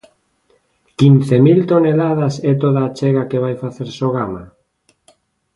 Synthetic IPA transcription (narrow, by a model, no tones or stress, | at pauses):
kinθemilt̪onelað̞asɛt̪̬oðaːt͡ʃeɣakeβ̞ajfaθeɾsoɣ̞ama